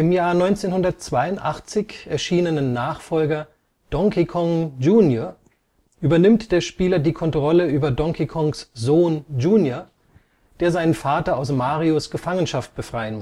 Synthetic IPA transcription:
ʔɪmjaːɐnɔʏnt͡seːnhʊndɐtt͡sv̥aɪʊntʔaχt͡sɪçʔɛɐʃiːnənənːaːχfɔlɡɐ | d̥ɔŋkikʰɔŋd͡ʒuːnjoɐ | ʔyːbɐnɪmtd̥eːɐʃpiːlɐdiːkʰɔntʁ̥ɔləʔyːbɐdɔŋkʰikʰɔŋszoːnd͡ʒuːnjo | d̥eːɐzaɪnənfaːtɐaʊsmaːʁiʊsɡ̥əfaŋənʃaft̚b̥əfʁ̥aɪənmʊ

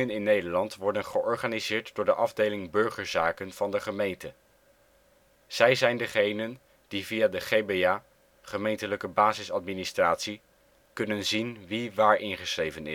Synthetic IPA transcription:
ənɪnːejdəɹlɑntʋɔɹdənχəʔɔɹχanizɪːɹtd̥ʊːɹdəʔɑvdejlɪŋbɵɹχəɹzaːkənv̥ɑndəχəmejntə | z̥ɛjzɛjndəχejnən | d̥ivijaːdəχebeaː | χəmejntələkəbaːzɪsɑt̚ministraːtsi | kɵnənzinʋiʋaːɹʔɪnχəsrejvənɪ̰

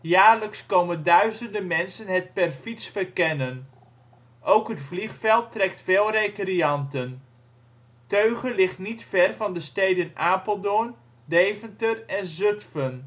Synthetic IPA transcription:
jaːrləkskowməndœɥzəndəmɛnsənɦət̚pɛrfisfərkɛnən | ʔowkɦətfliχfɛlˠtːrɛktfeːlˠrekriɑntən | tøɥχənlɪχtnitfɛrvɑndəstejdənaːpəlˠdʊən | dejvəntərɛnzɵtfən

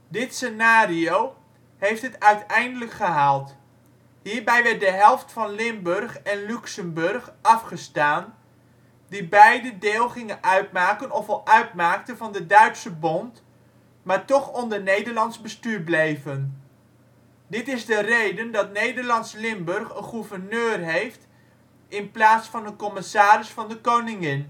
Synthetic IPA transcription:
dɪtsenaːriow | hejftɦətœɥtɛjndələkχəɦaːlˠt | ɦiːɹbɛjʋɛɹt̚dəɦɛlˠftfɑnlɪmbørχɛnlyksəmbɵrχɑfχəstaːn | dibɛjdədeːlˠχɪŋənʔœɥtmaːkənɔfɑlˠʔœɥtmaːk̚təvɑndədœɥpsəbɔnt | maːɹtɔχɔndəɹnejdəɹlɑnzbəstyːɹblejvən | dɪtɪzdərejdəndɑtnejdəɹlɑnslɪmbɵrχənχuvəɹnøːrɦejft | ʔɪnplaːtsfɑndəkɔmɪsaːɾɪsfɑndəkownɪŋɪn

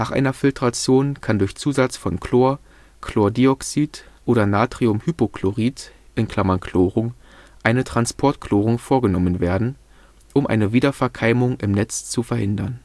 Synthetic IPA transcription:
naːχʔa̰ɪnɐfɪltʁ̥at͡sjoːnkʰandʊɐçt͡suːzat͡sfɔnkʰloːɐ | kʰl̥oːɐdiɔksitʔoːɾɐnaːtʁ̥iʊmhypokʰloʁiːtʔɪnkʰl̥amɐnkʰloːʁʊŋ | ʔaɪnətʁ̥anspʰɔɐtkloːʁʊŋfoːɐɡənɔmənveːɐdn̩ | ʔʊmʔa̰ɪnəviːdɐfɛɐkʰaɪmʊŋʔɪmnɛt͡st͡sufɛɐhɪndɐn

